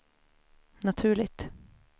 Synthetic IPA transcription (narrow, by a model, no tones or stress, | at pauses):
nat̪ʰʉ̟ːɭɪt̪